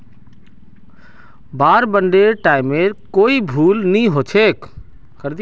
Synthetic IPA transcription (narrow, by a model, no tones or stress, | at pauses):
baːɾbəɳɖeɾʈaɪmeɾkoːibʱuːlnĩɦot͡ʃʰek | kəɾd̪